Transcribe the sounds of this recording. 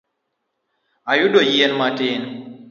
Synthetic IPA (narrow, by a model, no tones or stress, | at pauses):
ajuɗojienmaten